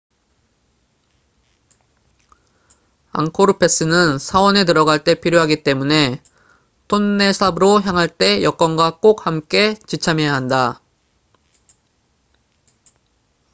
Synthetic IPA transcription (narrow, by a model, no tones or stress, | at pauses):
a̰ŋkʰoɾɯpʰe̞s͈ɯnɯnsʰawʌne̞tɯɾʌɡaɭt͈e̞pʰiɾjoɦaɡit͈e̞mune̞ | tʰonːe̞sʰabɯɾoçjaŋɦaɭt͈e̞jʌk͈ʌnɡwak͈ok̚hamk͈e̞t͡ɕit͡ɕʰamejaɦanda